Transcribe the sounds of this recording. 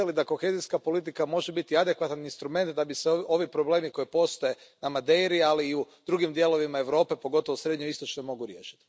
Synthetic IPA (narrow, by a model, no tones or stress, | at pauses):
elid̪ako̞xeziskapo̞lit̪̬ikamo̞ʒebit̪iad̪ekʋat̪aninst̪ɾume̞nt̪̚d̪abiseo̞ʋipɾo̞ble̞ːmiko̞ipo̞st̪o̞je̞namad̪e̞jɾialiːu | d̪ɾuɡimd̪je̞lo̞ʋimae̞ʋɾo̞ːpe̞po̞ɡo̞t̪o̞ʋosɾe̞d̪ɲoist̪o̞t͡ʃnojmo̞ɡuɾje̞ːʃi̥t̪i̥